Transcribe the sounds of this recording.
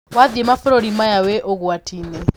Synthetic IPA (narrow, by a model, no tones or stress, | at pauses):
wad̪ɛmafɔɾɔɺimajawɛʔokuatʰiːnɛ